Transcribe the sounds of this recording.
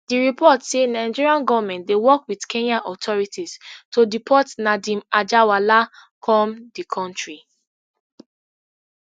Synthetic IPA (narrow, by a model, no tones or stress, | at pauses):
d̥iɹipʰɔtsenãɪ̃d͡ʒiɹiãnɡɔvamɛ̃ntdewɔkwidkʰẽnaʔɔtʰɔɹitistodipʰɔtnadĩmad͡ʒawalakʰɔ̃mdikʰɔ̃ntɹi